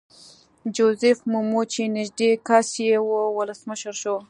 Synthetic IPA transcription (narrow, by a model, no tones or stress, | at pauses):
d͡ʒozɪfmumot͡ʃenɪʒd̪ekasjewowʊləsməʃəɾʃo